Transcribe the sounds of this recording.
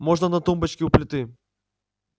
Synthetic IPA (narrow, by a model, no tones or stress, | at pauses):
moʐnɐnɐt̪umbɐt͡ɕkʲɪʊplʲɪt̪ɨ